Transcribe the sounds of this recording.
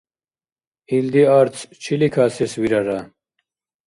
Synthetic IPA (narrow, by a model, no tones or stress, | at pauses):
ild̪iaɾt͡sʰt͡ɕʰilikʰaːseswiɾɐɾa